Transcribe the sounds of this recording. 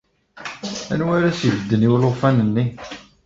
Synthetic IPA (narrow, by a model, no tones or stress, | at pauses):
æ̰nwæɾæsivəd̪ːəniwlofænənːi